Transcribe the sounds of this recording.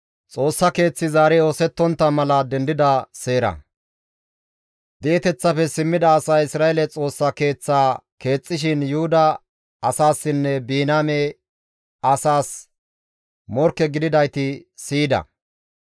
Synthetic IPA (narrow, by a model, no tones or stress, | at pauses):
t͡sʼo̞ːsːɐke̞ːt͡sːɪzaːɾɛo̞ːsɛt̪ːɔnt̪ːɐmɐlɐd̪ɛnd̪ɪd̪ɐse̞ːɾɐ̰ | d̪eːt̪ɛt͡sːɐfɛsɪmːɪd̪ɐːsɐjɪsɾaːɛlɛt͡sʼo̞ːsːɐke̞ːt͡sːaːke̞ːt͡sʼːɪʃ̬ɪnjʊhʊd̪ɐ | ɐsaːsːɪnːɛbiːnaːmɛ | ɐsaːs | mɔɾkːɛɡɪd̪ɪd̪ɐjt̪ɪsiːd̪ɐ̰